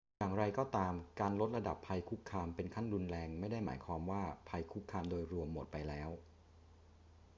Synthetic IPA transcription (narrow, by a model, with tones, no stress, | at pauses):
jaː˨˩ŋɾa˧jkɔː˥˩t̪aː˧mkaː˧nlo˦˥t̪̚ɾa˧da˨˩pʰːa˧jkʰu˦˥kʰːaː˧mpe˧nkʰa˥˩nɾu˧nlɛː˧ŋma˥˩jda˥˩jma̰ː˩˦jkʰwaː˧mwaː˥˩pʰa˧jkʰu˦˥kʰːaː˧mdoː˧jɾu˧əmːo˨˩t̪̚pa˧jlɛː˦˥w